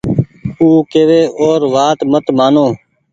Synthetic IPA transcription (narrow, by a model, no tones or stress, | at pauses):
uːkeːʋeːoːɾʋaːt̪mət̪maːnõː